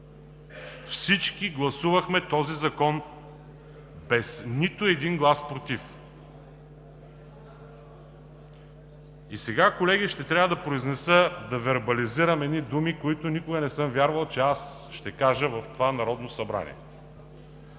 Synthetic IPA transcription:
fsit͡ʃkiɡlˠɐsuvɐxmɛt̪ɔzizɐkɔn | bɛsnit̪ʊɛd̪inɡlˠaspɾot̪if | isɛɡakolɛɡiʃt̪ɛt̪ɾʲavəd̪ɐpɾoiznɛsəd̪ɐvɛɾbɐliziɾɐmɛd̪nid̪umikoit̪ʊnikʊɡɐnɛsɤmvʲjaɾvɐlˠt͡ʃɛasʃt̪ɛkaʒəvɐft̪ovanɐɾɔd̪nosɐbɾa̰nʲḭɛ̰

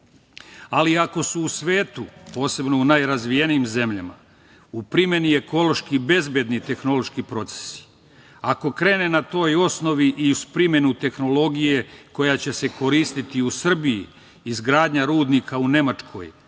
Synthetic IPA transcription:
aliako̞suːsʋe̞ːt̪upo̞ːse̞bno̞unajɾazʋijenijimze̞mʎama̰ | upɾime̞nie̞ko̞lo̞ʃkibe̞zbjed̪nit̪e̞xno̞lo̞ʃkipɾo̞t̪se̥si̥ | ako̞kɾe̞ːne̞nat̪o̞ːjo̞sno̞ʋiʔiuspɾimje̞nut̪e̞xnolo̞ɡije̞ko̞jat͡ɕe̞se̞ko̞ɾiːst̪it̪iusr̩bijḭː | zɡɾaːd̪ɲaɾuːd̪nikʰaune̞mat͡ʃkʰo̞̰j

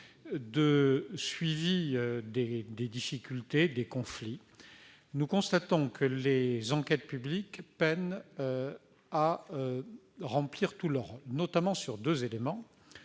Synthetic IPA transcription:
d̪əsɥiviød̪ed̪ed̪ifikʲylt̪ed̪ekɔ̃fli | nukɔ̃st̪at̪ɔ̃kʰəlezɑ̃kʲɛt̪̚pyblikpɛnø | aø | ʁɑ̃pliʁt̪uləʁɔlnɔt̪amɑ̃syʁd̪øzelemɑ̃

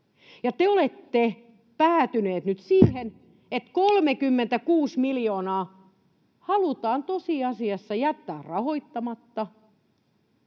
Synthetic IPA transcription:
jɑt̪eolet̪ːe | pæːt̪yneːt̪nyt̪siːhen | et̪kolmekymːent̪ækuːsmiljoːnɑː | hɑlut̪ɑːnt̪osiɑsiɑsːɑjæt̪ːæːrrɑhoit̪ːɑmɑt̪ːɑ

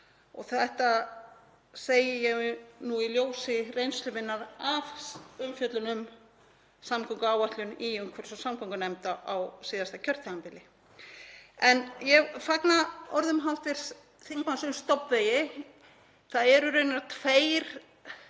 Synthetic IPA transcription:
ɔɣθɛht̪a | seːjɪjɛɣnuiljoːwsɪrejnst̪lʏvɪnːaðavʏmfjœt̪lʏnʏm | samkʰɔŋkʏaːwaht̪lʏniʏŋkʰvɛɾ̥sɔsamkʰaŋkʏnɛmt̪aʔawsiːðast̪acʰœɾ̥t̪ʰaampɪlɪ | ɛnjɛɣfaknaɔɾðʏmɦawht̪vɪɾ̥s | θiŋkansʏmst̪ɔpvejɪ | θaðɛɾʏɾœɥnaɾt̪ʰfeːjɾ̥

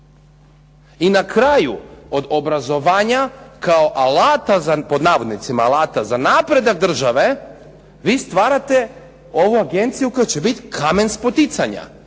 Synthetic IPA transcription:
inakɾajṵo̞d̪obɾazo̞ʋaːɲakao̞ʔalaːt̪azapo̞d̪naːʋo̞d̪nit̪simaːlaːt̪azanaːpɾe̞d̪aɡ̚d̪r̩ʒaʋe̞ | ʋiːst̪ʋaːɾat̪e̞ | o̞ʋuaɡe̞nt̪sijuko̞jat͡ɕe̞bit̪kʰame̞nspo̞t̪it̪saɲa̰

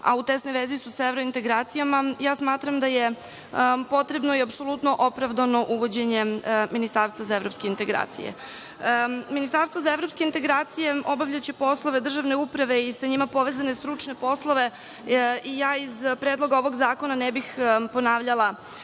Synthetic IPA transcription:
a̰ut̪esno̞jʋezisusaevɾo̞int̪e̞ɡɾaːt̪sijamajaːsmaːt̪ɾamd̪aje | po̞t̪ɾe̞bno̞iapso̞lˠut̪no̞ʔo̞pɾavd̪ano̞ʔuʋo̞d͡ʑeɲe̞minist̪aːɾst̪ʋazaevɾo̞pske̞int̪e̞ɡɾa̰ːt̪sḭjḛ | minist̪aɾst̪ʋozaevɾo̞pskeint̪eɡɾaːt̪sije̞o̞baʋʎat͡ɕepo̞slˠo̞ʋe̞d̪r̩ʒaʋne̞upɾaʋe̞isaɲimapo̞ʋe̞zanest̪ɾut͡ʂne̞po̞slˠo̞ʋe | ijaːizpɾed̪lˠo̞ɡao̞ʋo̞ɡzaːko̞nanebixpo̞naːʋʎalˠa

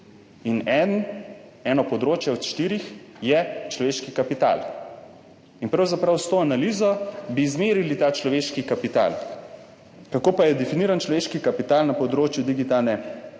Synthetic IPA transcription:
inɛn | ɛːnɔpɔd̪ɾoːt͡ʃjɛɔt̪ʃt̪iːɾix | jɛt͡ʃlɔʋeːʃkikapit̪a̰l | inpɾawzapɾawst̪oːanaliːzɔbizmeːɾilit̪aːt͡ʃlɔʋeːʃkikapit̪a̰l | kakoːpajɛd̪ɛfiniːɾant͡ʃlɔʋeːʃkikapit̪aːlnapɔd̪ɾoːt͡ʃjud̪iɡit̪alnɛ

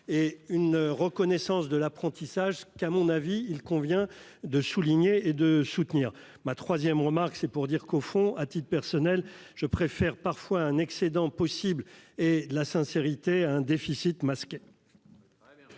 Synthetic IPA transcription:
eynʁəkɔnɛsɑ̃sd̪əlapχɑ̃t̪isaʒkamɔ̃naviːlkɔ̃vjɛ̃ | d̪əsuliɲeːd̪əsut̪niːʁ | mat̪χwazjɛmʁəmaʁksɛpuʁd̪iʁkofɔ̃at̪it̪̚pɛʁsɔnɛl | ʒ̥əpχefɛʁpaʁfwaɛ̃nɛksed̪ɑ̃pɔsibled̪əlasɛ̃seʁit̪eaɛ̃d̪efisit̪maskʲe

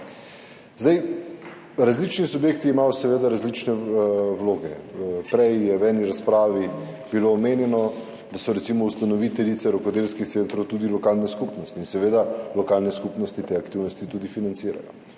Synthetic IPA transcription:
zd̪aj | ɾazlit͡ʃnisubjeːkt̪iimajɔsɛʋeːd̪aɾazlit͡ʃnɛwloːɡɛpɾɛjjɛwɛːniɾaspɾaːʋibiloːmeːnjɛnɔ | d̪asɔɾɛt̪simɔust̪anɔʋit̪ɛlit̪sɛɾɔkɔd̪elskixt̪sent̪ɾowt̪ud̪ilɔkaːlnɛskupnɔst̪iːnsɛʋeːd̪alɔkaːlnɛskupnɔst̪it̪eakt̪iwnɔst̪it̪ud̪ifinant̪siːɾa̰jɔ̰

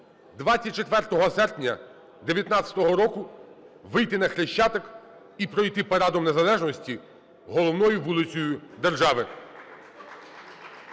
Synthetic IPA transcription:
d̪ʋɑt̪sʲɐt̚ʲt͡ʃet̪ʋɛrt̪ɔɦɔsɛrpnʲɐ | d̪eʋʲjɐt̪nɑt͡ssʲɐ̥t̪ɔɦɔɾɔkʊ | ʋɪjt̪ɪnɐxɾeʃt͡ʃːɑt̪ɔk | ipɾɔjt̪ɪpɔɾɑd̪ɔmne̞zɐlˠɛʒnɔsʲtʲi | ɦɔlˠɔwnɔjʊʋulˠɪt͡sʲɔjʊd̪erʒɑʋɪ

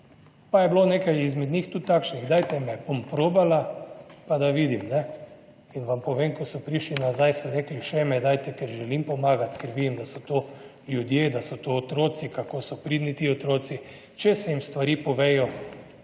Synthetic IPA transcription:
pajɛbloneːkajizmɛd̪ɲixt̪ut̪ːaːkʃniɣd̪aːjt̪ɛmɛbompɾoːbalapad̪aʋiːd̪imnɛ | inʋampɔʋemkɔsɔpɾiʃlinazajsɔɾɛːkliʃɛmɛd̪ajt̪ɛkɛɾʒɛlimpɔmaːɡat̪kɛɾʋid̪imd̪asɔt̪o | ljud̪jed̪asɔt̪oːt̪ɾoːt̪sikakoːsɔpɾid̪nit̪iot̪ɾoːt̪si | t͡ʃɛsɛjimst̪ʋaɾiːpɔʋeːjɔ

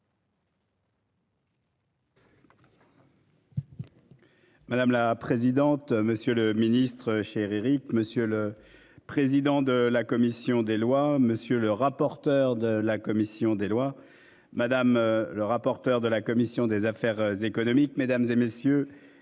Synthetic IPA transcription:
mad̪amlapχezid̪ɑ̃t̪məsjøləminist̪χəʃeʁiʁikməsjølə | pχezid̪ɑ̃d̪əlakɔmisjɔ̃d̪elwaməsjøləʁapɔʁt̪œʁd̪əlakɔmisjɔ̃d̪elwa | mad̪amləʁapɔʁt̪œʁd̪əlakɔmisjɔ̃d̪ezafɛʁzekɔnɔmikmed̪amzemesjø

